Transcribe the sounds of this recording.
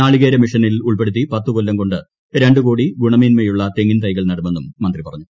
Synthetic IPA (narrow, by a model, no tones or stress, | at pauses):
aːɭiɣeːɾɐmiʂɐnːiluɭpeɽut̪̬ːipɐt̪ːukolːɐmko̞ɳɖɨ | ɾe̞ɳɖuko̞ːɽiɡuɳɐmiːnmeːjuɭːɐt̪eŋɡint̪ɐjɣɐɭnɐɽɐmːenːumːɐnd̪ripɐrɐɲːu